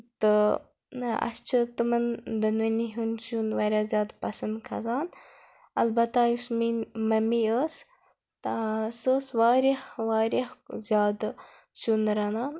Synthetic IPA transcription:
t̪ɨ | ɐ̰st͡ʃʰɨt̪ɨmɐnd̪ɐnʋəniɦunt͡ʃunʋaɾjaːzʲjaːd̪pɐsɐnd̪kʰɐzaːn | ɐ̰lbɐt̪aːjusmimɐmiəːs | t̪asoːsʋaːɾʲahʋaːɾʲahzʲjaːd̪ | t͡ʃunɾɐnaː

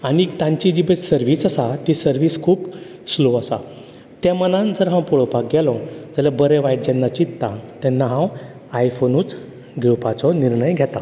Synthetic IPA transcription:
aɽit̪ãɲt͡ɕid͡ʑibesəɾʋiːsəsat̪isəɾʋiːskʰuːp | sloəsa̰ | t̪jamənãnd͡zəɾɦãw̃pɔɭɔpak̚ɡɛlɔ̃d͡zaljabəɾeʋajʈ̚d͡ʑɛnːat͡ɕit̪t̪ãt̪ɛnːaɦãw | ajfonuːt͡s | ɡʱɛwpat͡sɔniɾɳəjɡʱɛt̪a

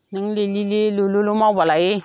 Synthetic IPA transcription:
niŋlelilelololomabalaje

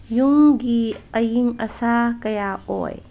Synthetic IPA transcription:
juŋɡiɐjiŋɐsakɐjao̰j

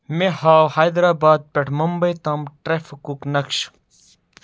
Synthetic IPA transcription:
mehaːwhaːjd̪ɾaːbaːd̪̚pʲeʈʰmɐmbɐjt̪ɐmʈɾefɐkuknɐkʃ

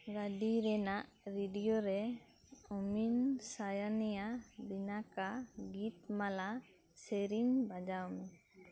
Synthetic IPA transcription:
ɡaɖiɾɛnaʔɾiɖijɔɾɛ | ɔminsajanɛjabinakaɡit̪̚mala | seɾiɲbad͡ʒawmɛ

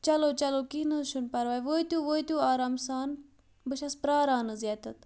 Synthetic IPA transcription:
t͡ʃɐlot͡ʃɐlokiːnɨʃunpɐɾʋɐːjʋoːit̪juʋoːit̪juːaːɾaːmsaːn | bɨʃɐspɾaːɾaːnɨzʲjaːt̪ɐt̪

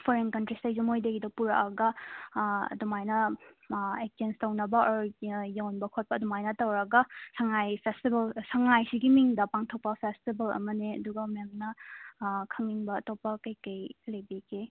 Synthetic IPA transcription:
pʰɔɾenkɐntɾistajzumojdeɡidɐpuɾaʔɐɡɐ | ɐ̰dumajnɐ | ek̚tenstɐwnɐbɐɾjawnbɐkʰot̚pɐdumajnɐtɐwɾɐɡɐsɐŋajpʰestibɐlsɐŋajsiɡimiŋdɐpaŋtʰok̚pɐpʰestibɐlɐ̰mɐneɐ̰duɡɐmemnɐ | kʰɐŋiŋbɐɐtopːɐkɐjkɐjlejbikʰe

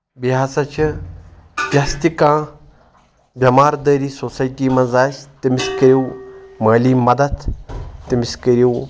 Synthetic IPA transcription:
biɦaːsɐt͡ʃʰi | bʲjast̪ikãː | bʲjɐmaːɾd̪əːɾiːsosaːjʈiːmɐzaːsʲt̪imɪskɐɾʲiwmaːliːmɐd̪ɐd̪t̪imɪskəɾiw

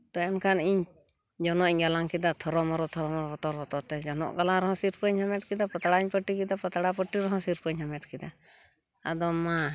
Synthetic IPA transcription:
t̪ɔjɔnkaniɲ | d͡ʒɔnɔʔiɲɡalaŋkid̪at̪ʰɔɾɔmɔɾɔt̪ʰɔɾɔmɔɾɔbɔt̪ɔɾbɔt̪ɔt̪ɛd͡ʒɔnɔ̰ʔɡalaɾɔɦɔ̃siɾpəɲhamɛʈ̚kid̪apɔt̪aɽaiɲpəʈikid̪apɔt̪aɽapəʈːiɾɔɦɔ̃siɾpəɲɦɔmɛʈ̚kid̪a | a̰d̪ɔma

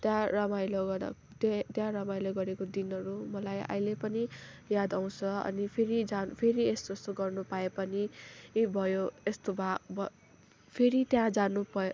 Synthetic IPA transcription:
t̪jãrʌmajlʌɡʌ̰ | t̪t̪jãɾʌmajlʌɡʌɾekod̪inʌɾumʌlaja̰jlepʌni | jad̪aw̃t͡sʰʌʌ̰nipʰeɾid͡zapʰeɾiest̪ʌst̪oɡʌrnupaepʌnibʱʌjoest̪obʱabʌ | pʰeɾit̪jãd͡zanubʱʌ

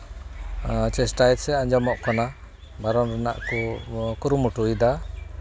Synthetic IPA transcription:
t͡ʃɛsʈajɛt̪sɛãɲd͡ʒɔmɔʔkɔna | baɾɔnɾɛna̰ʔkukuɾumuʈujd̪a

